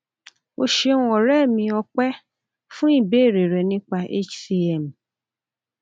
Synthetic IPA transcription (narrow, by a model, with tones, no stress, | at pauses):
o˧ʃe˧nũ˦ɔ˨ɾɛ˦˨mĩ˧ɔ˧k͡pɛ˦ | fũ˦i˦˨be˦˨ɾe˨ɾɛ˨nĩ˦k͡pa˧ʔḛ˦t͡ʃsi˧ɛ˦˨m˨